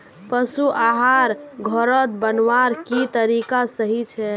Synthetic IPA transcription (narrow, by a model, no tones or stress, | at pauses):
pəsuʔaɦaɾɡʱɔɾət̪bənʋaɾkit̪əɾikasəɦit͡ʃʰɛ